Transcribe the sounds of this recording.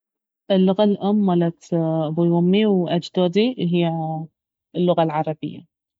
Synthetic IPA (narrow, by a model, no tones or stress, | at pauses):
ʔɪlːʊɣalʔʊmːalat̪bʊjʊmːiwʔad͡ʒd̪oːd̪iɦɪjːa | ɪlːʊɣalʕɑɾˤɑbɪ̰jːa̰